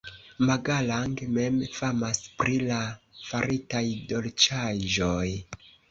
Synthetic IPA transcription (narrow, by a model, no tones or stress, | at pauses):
maɡalaŋɡme̞mfamaspɾilafaɾitajdo̞lt͡ʃaʒoj